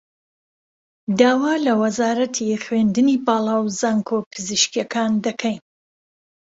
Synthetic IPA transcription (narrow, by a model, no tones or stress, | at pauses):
d̪aːwaːlɐwɐzaːɾɐt̪ʰixwend̪ɨnibaːlˠaːwzaːŋkʰopʰɨzɨʃkijɐkʰand̪ɐkʰɛjn